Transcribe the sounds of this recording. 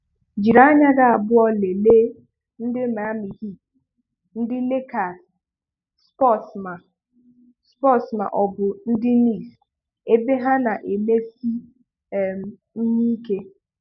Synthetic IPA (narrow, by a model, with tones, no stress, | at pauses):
d͡ʒi˨ɾa˦a˦ɲa˦ɡa˦a˨bʊ˦ɔ˦le˨leː˦ | n̩˦dɪ˦ma˨˦mi˨ɦi˦˨ | n̩˦dɪ˦le˦ka˨s | spɔ˦˨sma˨ | spɔ˦sma̰˨ʔɔ˨bʊ˨n̩˦dɪ˦ni˦˨s | e˦be˦ɦa˦na˨ʔe˨me˦si˦˨ | m˨ | n̩˦ɲi˦ke˦